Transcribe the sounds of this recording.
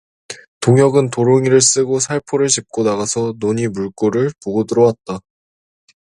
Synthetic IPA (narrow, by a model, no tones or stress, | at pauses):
toŋjʌɡɯntoɾoŋiɾɯɭs͈ɯɡosʰaɭpʰoɾɯɭɕʰip̚k͈onaɣasʰʌnoɲimuɭk͈oɾɯɭpoɡʌdɯɾʌwat̚t͈a